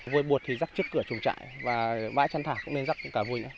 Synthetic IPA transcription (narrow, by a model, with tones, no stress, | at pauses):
vu˧əjɓu˨˩ət̚t̪ʰi˨˩zaː˦˥k̚t͡ɕɨ˦˥əkːɨ˧˩ət͡ɕʊ˨˩ŋ͡mt͡ɕa̰ː˧˨jvaː˨˩ɓa̰ː˧˥jt͡ɕa˧nt̪ʰaː˧˩kʊ̰˧˥ŋ͡mne˧nza˦˥k̚kaː˧˩vu˧əjna̰˧˦